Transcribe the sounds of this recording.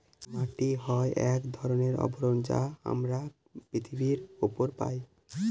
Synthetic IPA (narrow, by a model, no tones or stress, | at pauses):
maʈiɦɔeʔɛkd̪ʱɔɾoneɾɔ̰boɾond͡ʑa̰a̰mɾa | pɾit̪ʰibiɾupoɾpa̰j